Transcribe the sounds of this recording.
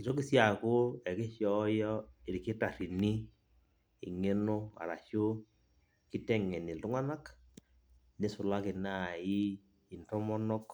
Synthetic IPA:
ki˨to˦ki˦sja˨ko˦ɛ˨ke˦ʃjɔ˦jɔ˦e˨ɾi˨ke˦ta˨ɾi˨ni˦ | ḭ˨ŋe˦no˦a̰˨ɾa̰˨ʃo˦ | ki˦tɛ˦ŋɛ˨ni˨lʊ˦ŋa˦na˦k | ne˦sʊ˨la˦ke˨na˦˨i˦ | i˨ntɔ˦mɔ˦nɔ˦k

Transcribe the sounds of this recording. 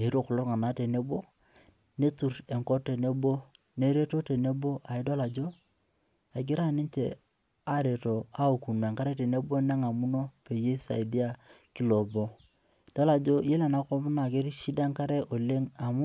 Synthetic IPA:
e˨˦ɾo˦˨kɔ˨lo˦ɾŋa˨na˦te˨ne˦bo˦ | ne˦tu˨ɾe˨ŋko˦te˨ne˦bo˦ | ne˦ɾe˦to˦te˨ne˦bo˦ʔa˨i˦da˦la˨d͡ʒo˦ | a˨ɡɪ˦ɾa˦ni˦ɲt͡ʃḛ˨ | a˦ɾe˨to˨a˦o˨ku˨na˨ŋka˦ɾe˦te˨ne˦bo˦ne˦ŋa˨mu˦no˦pe˨je˦sa̰˨i˨di˦a˦ki˨lo˨bo˦ | d̥a˦la˨d͡ʒo˦je˦la˨na˨˦kɔ˦m˦na˨ke˦ɾi˦ʃi˦da˦ŋka˦ɾe˦ʔo˨le˦ŋa˨mu˦

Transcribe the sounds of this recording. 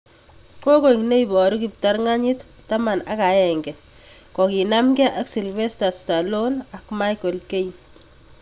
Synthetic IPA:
ko˦ko˨iŋne˦ibɔ˨ɾu˦kip̚ta˦ɾŋa˦ɲi˦t | tːa˦ma˨na̰˦ka˨jɛŋɡɛ˨ | kɔ˨ki˨na˦mɡɛʔaksi˨lβe˦sta˨sta˨lona˨kma˦jko˨lke˦j

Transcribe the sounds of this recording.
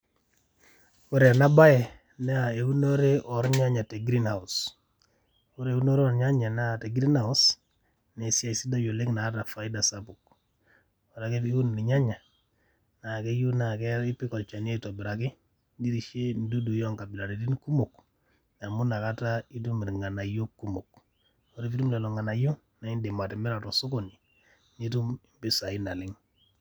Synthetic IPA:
wu˦ɾe˨na˦ba˦jɛ˨ | nɛ˦a˨e˨wu˦no˦ɾe˦ʔɔ˨ɾɲa˦ɲa˨te˨ɡɾi˦nha˨u˨s | u˦ɾe˨e˨wu˦no˦ɾe˦ɔ˨ɾɲa˦ɲa˨ne˦a˨te˨ɡi˦ɾi˦na˨u˦s | ne˨si˦a˨i˨si˦da˦jo˨le˦kna˨a˦ta˨fa˨i˦da˨sa˦pu˨k̚ | o˨ɾa˨ke˦i˦wu˦n˨ni˨ɲa˦ɲa˨ | na˨ke˦ju˦na˨ke˦i˦pi˦kɔ˨t͡ʃa˨ne˦to˨bi˨ɾa˨ki˦ | di˦ɾi˨ʃe˦n˨du˦du˨jɔ˦ŋka˨bi˨la˨ni˨di˦nku˦mu˨k | na˨mu˦na˨ka˦ta˦i˦t̬u˦mi˨ɾi˨ŋa˨na˨jo˦kːu˦mo̰˨k | wo˨ɾe˦fi˦tu˦mle˨lo˨ŋa˨na˨jo˦ | na˨i˦nde˨ma˨te˨me˦ɾa˨to˨su˦ko˦˨ni˨ | ni˦tu˦mi˨mpi˦sa˨i˦na˨li˦ŋ

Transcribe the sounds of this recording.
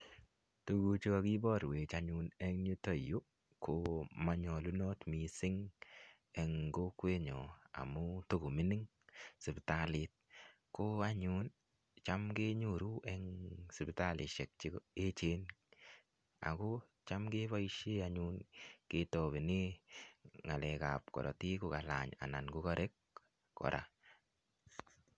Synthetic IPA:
tu˨ɡu˨t͡ʃi˦ka˧ki˦bɔ˦˨ɾwe˨t͡ʃaɲu˧nɛ˦ŋɲu˦tɔ˨jo˦ | kʰo˨ma˨ɲɔ˨lu˦nɔ˦tmi˨sɪ˦ŋ | ɛ˨ŋɡo˦kwe˦ɲɔ˨a̰˨mʊ˦to˦ɡo˨mi˦nɪ˦ŋ | sɪ˨pta˦lɪ˨˦t̚ | ko˦a˦ɲu˦n | t͡ʃa˦mke˦ɲu˦˨ɾu˦ʔɛ˦ŋsi˨pta˦lɪ˨ʃe˨k̚t͡ʃi˦e˦t͡ʃe˦n | a̰˨ko˦ | t͡ʃa˦mke˦βa˦i˦ʃe˦a˦ɲu˦nke˦tɔ˨be˨nɪ˦ | ŋa˨lɛ˨ka˨p̚kɔ̰˨ɾɔ̰˨ti˦ko˨ka˨la̰˨ɲa̰˨na˨nɡu˦kɔ˦ɾʔe˦k̚ | kɔ̰˨ɾʔa̰˨

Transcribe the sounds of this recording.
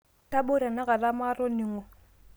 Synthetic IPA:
tʼa˦ɓo˦ɾa˨na˦ɣa˨la˦ma˦ɾɔ˦nɪ˨ŋɔ˨

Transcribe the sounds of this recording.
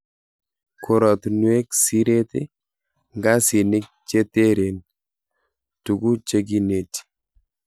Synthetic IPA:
kʰu˨ɾɔ˨t̪nwe˦ksi˦ɾe˦t̪e˦ | ŋɡa˦si˨nɪ˦k̚t͡ʃe˦t̪e˦ɾe˨n | tu˨ɡu˦t͡ʃe˦ɡ̬i˦ne˨ti̥

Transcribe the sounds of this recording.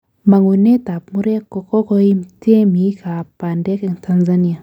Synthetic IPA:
ma˨ŋu˨ne˦ta˨pmu˦ɾe˦ko˨kɔ˦ko˦i˦mte˦mi˨˦kʰa˨pa˨ndɛ˦kɛ˨ŋtʰa˦nza˦ni˦a˨

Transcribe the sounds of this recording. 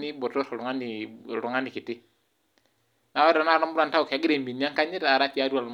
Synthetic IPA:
ni˦bɔ˨tɔ˦sɔ˨ɾu˨ŋa˦ni˨ɾu˨ŋa˦ni˨ki˨ti˦ | na˦wa˦ɾa˨na˦˨ɾɔ˦mbu˦ɾa˦nta˦u˨ke˨a˨˦ɡi˦ɾe˨mbi˨ni˦a˦ŋka˦ɲi˦ɾa˨ɾa˦ti˦a˦du˦a˨l

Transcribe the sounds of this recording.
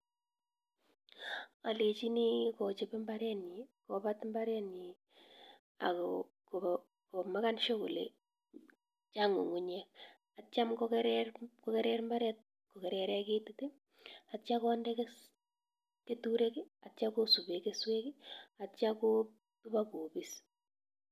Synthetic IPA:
a˨le˨t͡ʃi˦ni˦kɔ˨t͡ʃe˨pe˦mba˦ɾɛ˦ni˨ko˨ba˦tmba˦ɾɛ˦ni˨ | a̰˨ko | ko˨ | ko˨ma˦ka˦nʃo˦ko˨lḛ˨ | t͡ʃa˦ŋo̰˨ŋu˨ɲɛ˦k | at͡ʃa˦mko˦ke˦ɾɛɾko˦ke˦ɾɛ˦ɾmba˦ɾɛ˦t̚ | ko˨ke˨ɾɛ˨ɾɛ˦ke˦tute˦ | at͡ʃa˦kɔ˦ndɛ˦kes | ke˦tu˦ɾe˦ki˦a˨tt͡ʃa˦ko˦su˨be˨ke˦swe˦ki˦a˨t͡ʃa˦ko˦ | tuba˦ko˨bi˦s

